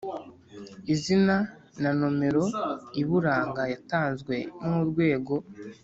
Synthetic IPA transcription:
izina | nanome̞ɾo̞iβuɾaːŋɡajataːnzɡwe̞muɾɡwe̞ːɡo̞

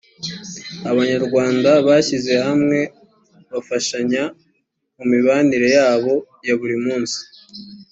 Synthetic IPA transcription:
aβaɲaɾɡwaːndaβaːçize̞hamŋe̞ | βafaʃaɲa | mumiβaːniɾe̞jaːβo̞ | jaβuɾimuːnsi̥

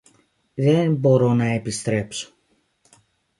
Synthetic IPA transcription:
ðenbo̞ɾo̞nɐe̞pist̪ɾe̞pso̥

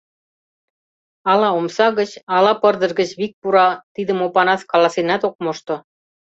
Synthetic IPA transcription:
ɑlɑomsɑɣə̆t͡ɕɑlɑpɤ̆rd̪ɤ̆rɣə̆t͡ɕβik̚puɾɑt̪id̪ə̆mopɑnɑskɑlɑsinɑt̪ok̚moʃt̪ŏ

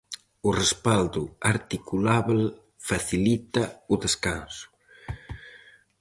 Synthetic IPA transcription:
urespald̪uaɾt̪ikulaβl | faθilit̪auðeskansʊ̥

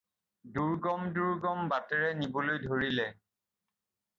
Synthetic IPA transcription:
duɹɡɔmduɹɡɔmbatɛɹɛnibolojdʱoɹilɛ

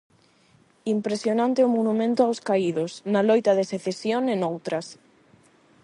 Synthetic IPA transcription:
impɾesjonãnt̪eomonumẽnt̪oawskaiðosnalojt̪aðeseθesjonẽnowt̪ɾɐs

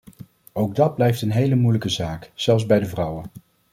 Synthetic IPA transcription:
owɡ̚dɑd̚blɛjftənɦejləmujləkəzaːkz̥ɛlˠzbɛjdəvrʌwən

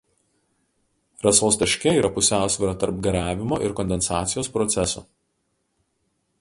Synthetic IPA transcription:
ɾɐsoːsd̪ɐʃʲkʲɛiːɾɐpʊsʲæˑʊsʲʋʲɪɾɐːt̪ɐɾp̚ɡɐɾʲæːʋʲɪmoːʔɪɾkɔnʲd̪ʲɛnsɑːt̪sʲɪjoːspɾɔt̪sʲɛsʊ̰

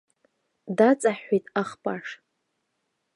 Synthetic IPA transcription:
dat͡sʼaħːejtʼaχpʼaʂ

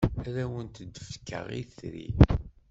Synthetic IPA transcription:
æɾæwənt̪əd̪əfkːə̰ʁḭθɾḭ

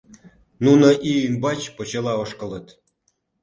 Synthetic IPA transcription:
nunoʔiymbɑt͡ɕpŏt͡ɕelɑoʃkɤ̆lə̆t̪

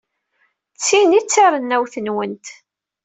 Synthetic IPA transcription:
t͡sːinit͡sːaɾˤənːæwθənwənt̪

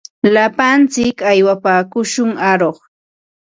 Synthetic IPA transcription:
lapant͡sɪkajwapaːkʊʃʊŋaɾoχ

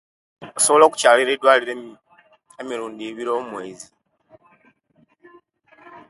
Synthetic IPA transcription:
osoβo̞lo̞ːku̥caːliɾedwaːliɾe | emiɾuːndiβiɾo̞ːmwe̞ːzi

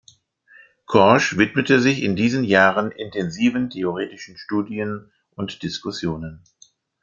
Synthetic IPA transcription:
kʰɔɐʃv̥ɪtmətəzɪçɪndiːzənjaːʁənɪntʰɛnziːvəntʰeoʁeːtɪʃn̩ʃtuːdiən | ʔʊntd̥ɪskʊsjoːnən

